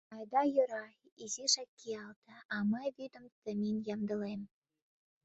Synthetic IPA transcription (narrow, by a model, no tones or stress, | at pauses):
ɑjd̪ɑjə̆ɾɑ | iziʃækːiɑlt̪ə̆ɑməjβyd̪ə̆mt̪əmʲinjɑmd̪ə̆lem